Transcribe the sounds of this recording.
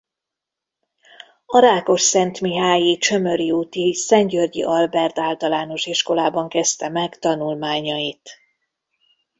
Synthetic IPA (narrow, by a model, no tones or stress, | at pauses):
ɒɾaːko̞ʃsɛnt̪miɦaːjit͡ʃø̞mø̞ɾiut̪isɛɲɟørɟḭʔɒlbɛrt̪aːlt̪ɒlaːno̞ʃiʃko̞laːbɒŋkɛst̪ɛmɛkt̪ɒnulmaːɲɒjit̪